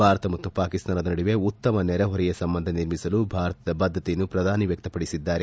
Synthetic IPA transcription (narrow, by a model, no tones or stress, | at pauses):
bʱaːɾɐt̪ɐmɐt̪ːupaːkist̪aːnɐd̪ɐnɐɽiʋe̞ut̪ːɐmɐnɛɾɐɦɔɾɛjɐsɐmbɐnd̪ʱɐniɾmisɐlubʱaːɾɐt̪ɐd̪ɐbɐd̪ʱːɐt̪ejɐnːupɾɐd̪ʱaːniʋjɐk̚t̪ɐpɐɽisid̪ːaːɾe